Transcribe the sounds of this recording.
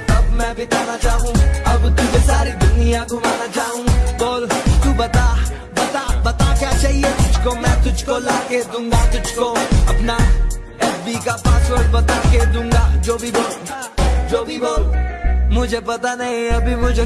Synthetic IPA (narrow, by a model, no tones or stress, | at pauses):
ɐbmɛ̃ɐbʱit̪aːnat͡ʃaːɦũɐbt̪ʊd͡ʒesaːɾid̪ʊnijaɡʊmaːnat͡ʃaːɦũboːlt̪uːbɐt̪a | bɐt̪abɐt̪akjat͡ʃaːɦiet̪ʊd͡ʒʱkomɛ̃t̪ʊd͡ʒʱkolaːked̪ũːŋɡat̪ʊd͡ʒʱkoɐpna | ɛːsbikapãːswəɾbɐt̪aked̪ũːŋɡad͡ʒoːbʱiboːl | d͡ʒoːbʱiboːlmʊd͡ʒʱepɐt̪anɐɦĩɐbʱimʊd͡ʒʱe